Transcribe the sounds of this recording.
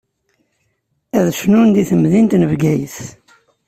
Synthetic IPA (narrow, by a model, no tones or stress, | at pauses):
æðʃnund̪iθəmðint̪nəvɡæjəθ